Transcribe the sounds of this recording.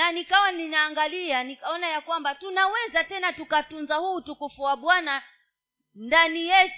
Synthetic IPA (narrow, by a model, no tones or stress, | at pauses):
nanikawaninaːŋɡalianikaɔnajakwambatunawɛzatɛnatukatunzahuːtukufuaɓwana | ndanijɛt